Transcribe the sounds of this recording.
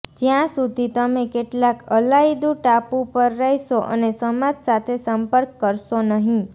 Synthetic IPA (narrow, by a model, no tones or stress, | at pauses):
d͡ʒjãsud̪ʱit̪əmekeʈlakʰəlaid̪ũʈapũpəɾːɛiʃoʔə̰nesəmad͡ʒsat̪ʰesəmpəɾkːəɾʃonəɦĩ